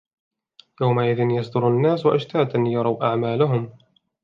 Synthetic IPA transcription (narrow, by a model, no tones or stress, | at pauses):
jawmaʔɪðɪnjɑsˤd̪ʊɾanːaːswaʔaʃt̪aːd̪ʔanjɑɾˤɑwʔaʕmaːlʊɦʊm